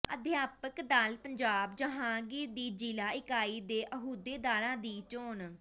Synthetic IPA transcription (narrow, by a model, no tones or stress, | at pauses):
əd̪jaːpəkd̪alpəɲd͡ʒaːbd͡ʒəɦãːɡɪɾd̪iːd͡ʒiːlaːɪkaːiːd̪eːʔəɦuːd̪eːd̪aːɾãːd̪iːt͡ʃoːn